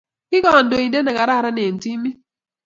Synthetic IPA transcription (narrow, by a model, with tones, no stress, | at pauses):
kɪ˦kɔ˨n˦do˨i˨dɛ˦na˨ka˨ɾa˦˨ɾa˦ne˨n˨ti˦mi˦